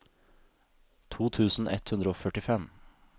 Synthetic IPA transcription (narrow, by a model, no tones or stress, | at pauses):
t̪ʰuːt̪ʰʉːsn̩ʔɛ̰t̪hʉnd̪ɾəoːfœʈɪfɛm